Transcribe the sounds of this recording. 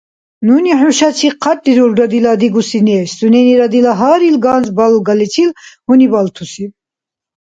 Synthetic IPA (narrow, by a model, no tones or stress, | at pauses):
nuniħuʃat͡sʰiqʰatːiɾulɾad̪ilad̪iɡusinɛːsd̪unɛniɾad̪ilaɦaːɾilɡaːnzbalɡalit͡sʰilhunibalt̪ʰusi